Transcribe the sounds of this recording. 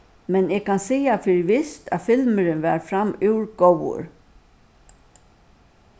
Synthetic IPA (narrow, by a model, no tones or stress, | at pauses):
mɛnɛːɡ̚kʰansiːafɪɾʋɪst̪ʰæ̰fɪlməɾɪnʋæɾfɾamʉwɹɡowʊ̰ɾ